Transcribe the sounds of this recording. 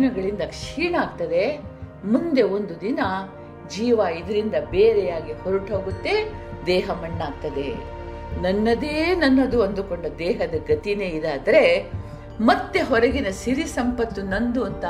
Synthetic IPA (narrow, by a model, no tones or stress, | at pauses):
nɐɡɐɭind̪ɐkʂiːɳaːɡt̪ɐd̪e̞ | mund̪e̞o̞nd̪ud̪inɐ | d͡ʒiːʋaid̪ɐɾind̪ɐbeːɾɛjaːɡihɔɾuʈɦo̞ːɡut̪ːe̞d̪ɛːɦɐmɐɳːaːɡ̚t̪ɐd̪e̞ | nɐnːɐd̪eːnɐnːɐd̪uɐnd̪ukoɳɖɐd̪ɛːɦɐd̪ɐɡɐt̪ine̞ːid̪aːd̪ɐɾe̞ | mɐt̪ːe̞ɦɔɾɐɡinɐsiɾisɐmpɐt̪ːunɐnd̪uɐnt̪ɐ